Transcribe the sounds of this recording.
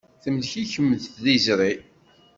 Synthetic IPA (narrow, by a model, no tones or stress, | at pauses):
θəmðçiçəmːəðθðizɾˤi